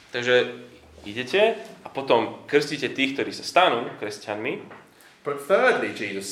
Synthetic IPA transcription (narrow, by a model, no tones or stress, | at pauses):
t̪aɡʒɛ | iɟɛcɛapɔt̪ɔmkr̩scicɛt̪iːkt̪ɔɾiːsast̪anuːkɾɛscanmi | b̥ət̪θɜːdlid͡ʒiːzəs